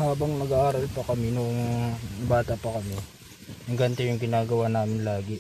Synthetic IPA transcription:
haːbɐŋmɐɡaːʔaːɾɐlpɐkɐmɪnoʔoŋbaːt̪ɐpɐkɐmɪ | nɐŋɡɐnt̪ɛjʊŋɡɪnaːɡɐwaːnaːmɪnlaːɡɪ

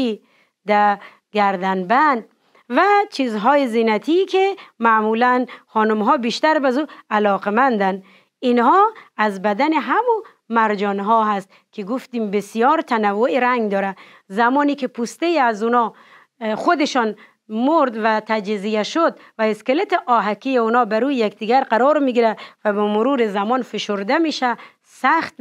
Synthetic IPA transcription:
i | d̪æ | ɡæɾd̪ænbænd̪ | væt͡ʃʰizɦɔːjezinæt̪ʰikʰemæmulænχɔːnumɦɔbiʃt̪æɾbazualɒqemænd̪æn | inhɔæzbæd̪æneɦamu | mæɾd͡ʒɔnɦɔɦæst̪̚ | kʰiɡuft̪imbesijɒːɾt̪ʰanavːoʔiɾæŋɡd̪ɔːɾa | zamɔːnikʰipʰust̪ejiazunɒ | χod̪eʃɔn | moɾd̪væt̪ʰad͡ʒizijaʃod̪væeskelet̪iʔɔːɦakijeunɔːbæɾujakd̪iɡæɾqaɾɔɾmiɡiɾævæbɔmʊɾuːɾizamɔnfeʃoɾd̪amiʃæ | sæχt̪

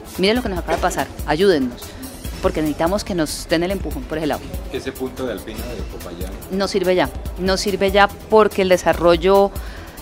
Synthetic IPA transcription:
miɾelo̞ke̞nosakaβaðepasaɾaʝuð̞e̞nːo̞s | po̞ɾke̞nesit̪amo̞ske̞no̞zd̪e̞nele̞mpuxonpoɾeela̰wkeesepunt̪oðealpinaðepopajanno̞siɾβeʝano̞siɾbe̞ʝa | po̞ɾke̞ːld̪e̞saro̞ʝo̞

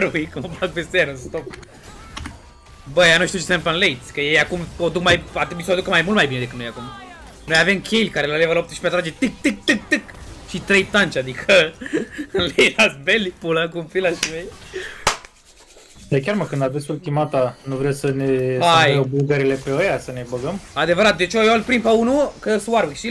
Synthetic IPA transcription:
ɾujkumapat̪pest̪ejanɨnst̪op | bəjanuʃt̪iut͡ʃesempənlejt̪sʲkəjejakumod̪ukmajat̪ɾebisoad̪ukəmajmult̪majbined̪ekɨt̪nojakum | nojave̞mkʲʰelʲkaɾelalevəlop̚t̪əʃpeat̪ɾad͡ʒe̞t̪ɨk̚t̪ɨk̚t̪ɨk̚t̪ɨkʃit̪ɾejt̪ant͡ʃʲad̪ikʰə | ɨnlejlasbelipulaŋkumfilaʃimej | d̪akʲaɾmakɨnd̪avesʲfulkʲimat̪anuvɾewsəneajewbulɡəɾile̞peojasənebəɡəmad̪e̞vəɾat̪̚d̪et͡ʃojolpɾimpeunukəswaɾwikʃi

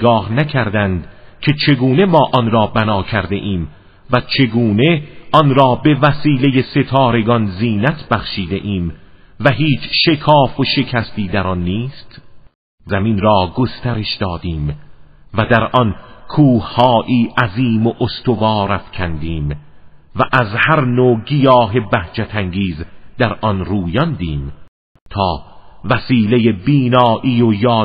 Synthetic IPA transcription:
ɡɒːhnækʰæɾd̪ænd̪cʰe̞t͡ʃʰe̞ɡuːne̞mɒːʔɒnɾɒːbænɒːcʰæɾd̪e̞̰ʔiːm | væt͡ʃʰe̞ɡuːne̞ʔɒnɾɒːbe̞væsiːle̞je̞se̞t̪ʰɒːɾe̞ɡɒnziːnæt̪ʰbæχʃiːd̪e̞̰ʔiːmvæɦiːt͡ʃʰʃe̞kʰɒːfoʃe̞kʰæst̪iːd̪æɾɒnːiːst̪ | zæminɾɒːɡost̪æɾe̞ʃd̪̥ɒːd̪iːmvæd̪æɾʔɒnkʰuːhhɒːʔiːʔæziːmoʔost̪ʰovɑːɾæfkʰænd̪iːm | væʔæzhæɾnoːɡijɒːɦe̞bæht͡ʃæt̪ʰæŋɡiːzd̪æɾʔɒnɾuːjɒnd̪iːm | t̪ʰɒːvæsiːlejebiːnɒːʔiːojɒː

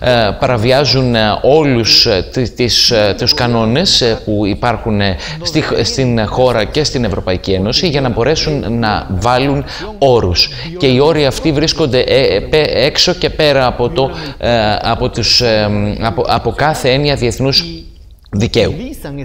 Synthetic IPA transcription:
pɐɾɐviɐzuno̞lust̪t̪ist̪uskɐno̞ne̞spuipɐɾxun | st̪ist̪inxo̞ɾɐce̞st̪ine̞vɾo̞pɐicie̞no̞siʝɐnɐbo̞ɾe̞sunːɐvɐlun | o̞ɾus | ce̞io̞ɾiɐft̪ivɾisko̞nd̪e̞ʔpeekso̞ce̞pe̞ɾɐːpot̪o | ɐpot̪us | ɐpo̞kɐθe̞eniɐðie̞θnuz | ðice̞u

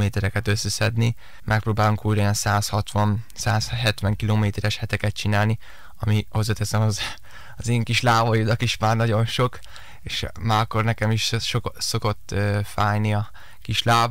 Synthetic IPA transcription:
meːt̪ɛɾɛkɛt̪øsːɛsɛd̪ni | mʔɛk̚proːbaːluŋkuːjɾjɛnsaːshɒt̪ʋɒn | saːsɦɛt̪ʋɛŋkiloːmeːt̪ɛɾɛʃhɛt̪ɛkɛt̪̚t͡ʃinaːlni | ɒmiho̞zɒt̪ɛsɛmɒz | ɒzeːŋkiʃlaːvojud̪ɒkiʃmaːrnɒɟo̞nʃo̞k | eːʃmaːɾɒkːo̞rnɛkɛmiʃso̞ko̞t̪ːfaːjniɒ | kiʃlaːv

